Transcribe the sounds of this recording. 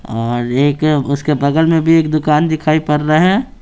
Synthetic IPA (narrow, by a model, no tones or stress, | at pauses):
ɔːɾeːkʊskebɐɡəlmẽbʱieːkd̪ʊkaːnd̪ɪkʰaːipɐɾɾaɦɛː